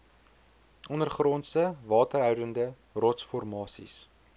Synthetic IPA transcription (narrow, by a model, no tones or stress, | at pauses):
ʔɔnərχrɔntstəvɑːtərɦœwdəndə | rɔtsfɔrmɑːsḭs